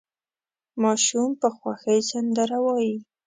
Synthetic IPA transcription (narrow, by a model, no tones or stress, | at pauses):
mɑʃumpəxwaxəjsand̪aɾawɑji